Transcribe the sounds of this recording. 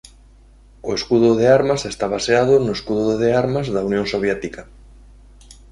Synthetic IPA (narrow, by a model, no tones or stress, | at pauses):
ʊeskuðʊðeaɾmasest̪aβaseað̞ʊnʊeskuðʊðʊðeaɾmazðaunjõŋsoβ̞jet̪ika